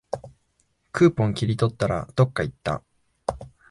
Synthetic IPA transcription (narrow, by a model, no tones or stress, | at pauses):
kɯ̟ːpõ̞ŋkʲiɾʲit̪o̞t̪ːaɾa̰d̪̥o̞kːait̪ːa̰